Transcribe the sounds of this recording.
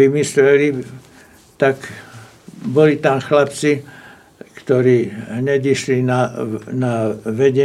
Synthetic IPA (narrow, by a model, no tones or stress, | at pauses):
imislɛli | t̪ak | bɔlit̪amxlapt͡si | kt̪ɔɾiːɦɲɛd̪iʃlinanaʋɛɟɛ